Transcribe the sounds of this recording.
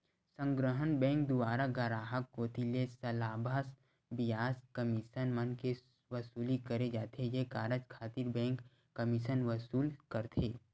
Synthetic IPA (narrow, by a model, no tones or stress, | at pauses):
sə̃ŋɡɾəɦənbɛ̃ːŋk̚d̪ʊaːɾaɡəɾaːɦəkːoːt̪ilesɐlaːbʱas | bɪjaːskəmɪʃənmənke | ʋɐsuːlikəɾed͡ʒaːt̪ʰejekaːɾəd͡ʒkʰaːt̪iɾbɛ̃ːŋkː | əmɪʃənʋəsuːlkəɾt̪ʰeː